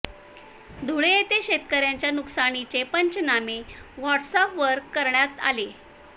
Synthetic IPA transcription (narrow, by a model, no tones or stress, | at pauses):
d̪ʱuɭejet̪eɕet̪kəɾjaɲt͡ɕjanuksaɽ̃it͡ɕepəɲt͡ɕnameʋɔʈsapʋəɾkːəɾɳjat̪a̰le